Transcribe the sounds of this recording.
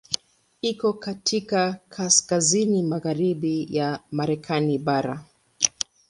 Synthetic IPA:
ikɔkatʰikakʰaskazinimaɣaɾiɓijamaɾɛkʰaniɓaɾa̰

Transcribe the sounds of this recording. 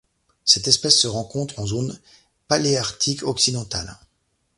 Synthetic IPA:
sɛt̪ɛspɛsːəʁɑ̃kɔ̃t̪χɑ̃zon | paleaʁt̪ʰikʰɔksid̪ɑ̃t̪a̰l

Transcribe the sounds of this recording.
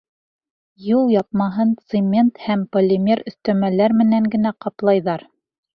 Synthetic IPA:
julˠjɑp̚mɑɦɤnt̪sɨmʲe̞nt̪hæmpolʲːɪmʲeɾɵ̆θt̪æmælæɾmɘ̆næŋɡɘ̆næqɑplˠɑjðɑɾ

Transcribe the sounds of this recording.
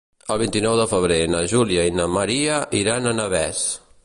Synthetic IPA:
əlˠβ̞int̪inɔwðəfəβ̞ɾenəʒuliəinəməɾiəʔiɾanənəβɛs

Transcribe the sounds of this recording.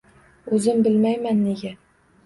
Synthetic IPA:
ɵzɪmbɘlmæjmanːeɡʲæ

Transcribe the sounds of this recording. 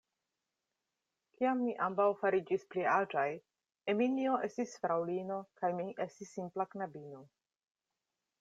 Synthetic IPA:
kiamːiʔambawfaɾid͡ʒispliad͡ʒaj | eminio̞ʔe̞stisfɾawlino̞kajmiʔe̞stisːimplaknabino̞

